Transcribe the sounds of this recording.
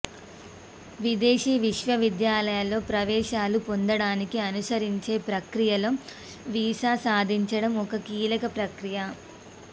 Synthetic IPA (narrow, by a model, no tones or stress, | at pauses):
ʋid̪eːʃiːʋiʃʋɐʋid̪jaːlɐjɐlːo̞ːpɾɐʋɛːʃaːlupond̪ɐɽaːnikiɐnusɐɾiɲt͡ʃe̞ːpɾɐkɾijɐlo | ʋiːʃaːsaːd̪ʱiɲt͡ʃɐɽɐmɔkɐkiːlɐkɐpɾɐkɾijɐ